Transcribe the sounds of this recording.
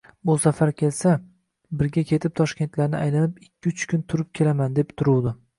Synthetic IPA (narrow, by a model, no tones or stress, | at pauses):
bʊsafaɾkʲʰe̞lsa | bɪɾɡʲakʲʰe̞t̪ʰɪp̚t̪ʰɒʃkʲe̞nt̪laɾnɪ̰ajlanɪpɪkʲʰːɪʊt͡ʃʰkʲʰʊnt̪ʰʊɾɪp̚kʲʰe̞lamand̪e̞pt̪ʰʊɾuwd̪ɪ